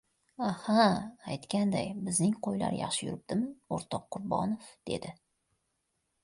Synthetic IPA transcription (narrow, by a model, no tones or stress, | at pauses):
ahaːjt̪kʲand̪ajbɪznɪŋqʰojla̰ɾjɑ̰χʃɪjʊ̰ɾɪp̚d̪̥ɪmɪoɾt̪ʰɒqʰːʊɾbɒ̰nɪfd̪̥e̞̰d̪ɪ